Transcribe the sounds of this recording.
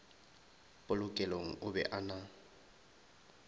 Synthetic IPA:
pʼʊlʊkʼɛloŋ̩ʔʊbɛ̰ʔana

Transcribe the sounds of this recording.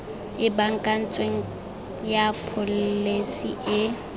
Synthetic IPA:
ɪbaŋ̩kʼan̩t͡sʼweŋ̩ | japʰʊllesiʔɪ

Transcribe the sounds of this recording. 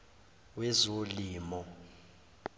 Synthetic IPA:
wɛzoliːmɔ

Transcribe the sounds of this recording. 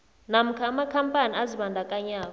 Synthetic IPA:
nam̩kʰɛamakʰampʼaniaziɓandʱakʼaɲaːɓ

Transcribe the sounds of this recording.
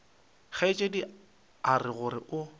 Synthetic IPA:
χaɪt͡ʃʼedi | arɪɣʊɾɪʔʊ

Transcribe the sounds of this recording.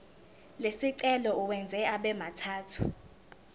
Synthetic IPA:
lesiǀɛlɔuwɛnd͡zʱɛaɓɛmatʰaːtʰu̥̰

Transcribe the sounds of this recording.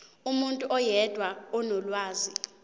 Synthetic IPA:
umuntʼuʔɔjɛd̥ʱwaɔnɔlwaːzi

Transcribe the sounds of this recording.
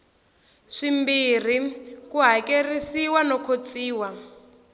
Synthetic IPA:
ʂimbir̤ikuɦakerisiwanɔkʰot͡siːwa

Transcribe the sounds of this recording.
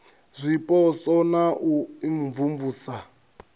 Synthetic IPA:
zʷipʼɔsɔnaʔuiɱvumvuːsa

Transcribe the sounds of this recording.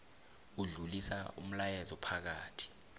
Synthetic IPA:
uɮulisa̰ṵm̩lajɛzɔpʰak̬aːtʰi̥

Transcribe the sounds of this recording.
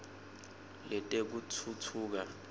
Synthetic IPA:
lɛtʼek̬utʰutʰuːk̬a

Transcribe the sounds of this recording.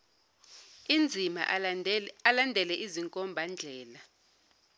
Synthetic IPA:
ind͡zʱima̰ | alandʱɛlɛʔiziŋkʼɔmbʱand͡ɮʱɛːla

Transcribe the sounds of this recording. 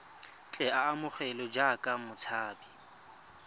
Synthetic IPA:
t͡ɬʼɛaːmʊk͡xʰɛlɔd͡ʒakʼamʊt͡sʰaːbi

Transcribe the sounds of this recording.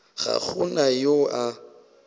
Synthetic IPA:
ɣa̰χʊnajoa

